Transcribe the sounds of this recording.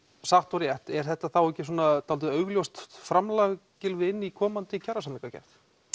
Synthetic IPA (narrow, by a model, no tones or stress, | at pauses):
saht̪ɔɾjɛht̪ɛɾ̥θɛht̪ːaθawɛhcːɪs̬uːnat̪alt̪ʏœːɥɣljowst̪fɾamlaɣcɪlvɪɪnːikʰɔːmant̪ɪcʰaɾasamliŋkacɛ̰jft̪